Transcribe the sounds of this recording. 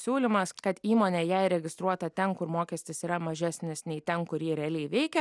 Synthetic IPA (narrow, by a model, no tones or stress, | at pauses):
sʲuːlʲɪmɐskɐt̪iːmoːnʲeːjɛɪɾʲɛɡʲɪst̪ɾuɔt̪ɐt̪ʲɛnkʊɾmoːkʲɛsʲt̪ʲɪsiːɾɐmɐʒʲæsʲnʲɪsnʲɛɪt̪ʲɛnkʊɾʲjiːɾʲɛɐlʲɛɪʋʲɛɪkʲɛ